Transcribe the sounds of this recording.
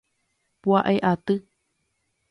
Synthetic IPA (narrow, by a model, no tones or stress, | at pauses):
pwaʔeʔat̪ɨ